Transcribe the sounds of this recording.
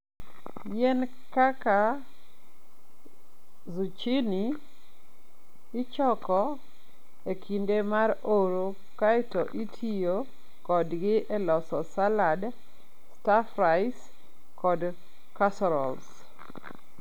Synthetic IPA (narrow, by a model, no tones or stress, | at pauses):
jɛn | kaka | zut͡ʃini | t͡ʃɔkɔ | ekʰindemaɾoɾo | kaɪtɔʔitʰijo | kɔdɡɪʔɛlɔsɔsalad | stafɾaɪs | kɔd | kasɔɾɔ̰ls